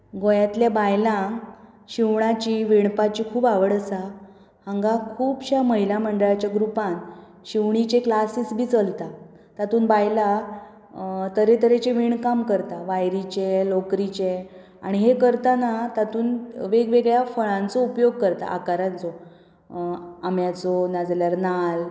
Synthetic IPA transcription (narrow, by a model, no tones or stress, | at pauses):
ɡojat̪ljabajlã | ɕiʋɳat͡ɕiːʋeɳpat͡ɕikʰuːbaʋəɽəsa | haŋɡakʰuːbɕaməɦilam̤əɳɖəɭat͡ɕjaɡɾupãn | ɕiʋɳ̃it͡ɕeklasisbʱiːt͡səlt̪a | t̪at̪uːnbajla | t̪əɾet̪əɾet͡ɕeʋiɳkamkəɾt̪aʋajɾit͡ɕelokɾit͡ɕe | a̰ɽ̃iɦekəɾt̪anat̪at̪uːnʋeɡʋeɡɭjafəɭãnt͡sɔupjoɡ̚kəɾt̪a̰ʔakaɾãnt͡sɔ | amjat͡sɔnad͡zljaɾnal